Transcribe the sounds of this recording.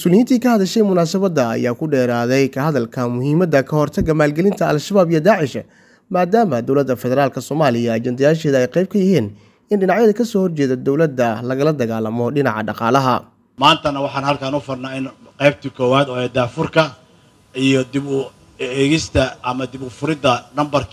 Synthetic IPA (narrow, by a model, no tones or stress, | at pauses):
mʊsuːlɪjiːnt̪ʰiːkʰɐhɐðɐʃɛjmʊnaːsɐβɐd̪ɐɐ̰jaːkʰʊɖɛːɾaːðɛjkʰɐɦɐðɐlkʰɐmʊhiːmɐd̪ɐkʰɐhɔrt̪ʰɐɡɐmaːlɡɛlɪnt̪ʰɐɐlʃɐβaːbijɔd̪aːʕɪʃɐ̰ | maːd̪aːmɐd̪ɔwlɐd̪ːɐfɛðɛɾaːlkʰɐsɔːmaːlɪjɐɐt͡ʃɐnd̪ɪjaːʃɛːðɐɛjqɛjb̚kʰɐjɪhiːn | ɪnɖɪnɑʕjɐðɐkʰɐsɔːhɔrt͡ʃɛːðɐd̪ɔwlɐd̪ːɐlɐɣɐlɐd̪ɐɣaːlɐmɔɖɪnɑʕɑ̰ɖɑqɑːlɐɦɐ̰ | maːnt̪ʰɐnɐwɑħɑːnhɐlkʰaːnʊfʊrnaːɪnqɛjb̚t̪ʰikʰɔːwaːd̪ɔːɛːd̪aːfʊrkʰɐ | ijɔd̪ɪbʊ | ɛːɣɪst̪ʰɐʔɐmɐd̪ɪbʊfʊɾɪd̪ɐnɐmbɐrkʰ